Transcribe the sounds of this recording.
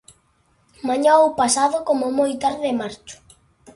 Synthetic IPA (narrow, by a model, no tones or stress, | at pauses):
mãɲaowpasaðʊkomʊmojt̪aɾðɪmaɾt͡ʃʊ̥